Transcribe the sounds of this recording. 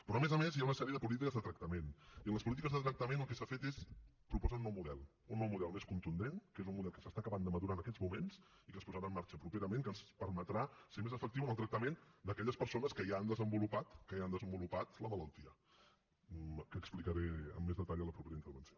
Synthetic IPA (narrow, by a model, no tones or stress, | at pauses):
pɾɔəmezəmezjaunəsɛɾiəðəpulit̪̬ikəzðət̪ɾək̚t̪əmeniənləspulit̪ikəzðət̪ɾək̚t̪əmenəlˠkɛsafet̪es | pɾupɔzaunːɔwmuðɛlˠ | unːɔwmuðɛlˠmeskunt̪und̪enkezunmuðɛlˠkəsəst̪akəβand̪əməðuɾanəkɛzmumens | ikəspuzəɾaəmːaɾt͡ʃəpɾupeɾəmeŋkənspəɾmət̪ɾasemezəfəkt̪iwənəlˠt̪ɾək̚t̪əmend̪əkɛʎəspəɾsonəskəjaːnd̪əzəmbulupat̪kəjand̪əzəmbulupat̪ləmələlˠt̪iə | kəksplikəɾeə̰mːezðət̪aʎələpɾupeɾəint̪əɾβənsio